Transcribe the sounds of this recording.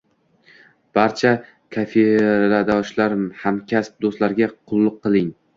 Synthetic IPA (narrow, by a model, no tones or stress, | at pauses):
b̥aɾt͡ʃʰa | kʰafeɾad̪ɒʃlaɾhamkʲʰasp̚d̪ost̪laɾɡʲaqʰʊlˠːʊqʰːɨlˠɪŋ